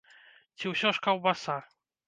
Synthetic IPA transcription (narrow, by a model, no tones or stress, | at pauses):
t͡ɕiwɕɔʂkawbasa